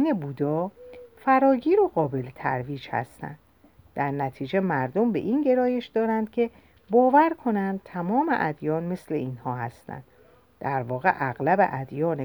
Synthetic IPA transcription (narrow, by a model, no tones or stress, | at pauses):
nebuːd̪ɒːfæɾɒːɟiːɾoɣɒːbe̞let̪ʰæ̰ɾviːd͡ʒhæ̰st̪æ̰nd̪ | d̪̥æɾnæt̪ʰiːd͡ʒe̞mæɾd̪o̞mbe̞̰ʔinɟe̞ɾɒːje̞ʃd̪ɒːɾænd̪̥cʲʰe̞ | bɒːvæɾkʰo̞nænd̪̚t̪ʰæmɒːmḛʔæd̪jɒːnme̞sle̞̰iːnhɒːɦæst̪æ̰nd̪̥ | d̪̥æɾvɒːɣe̞̰ʔæɣlæbḛʔæd̪jɒːne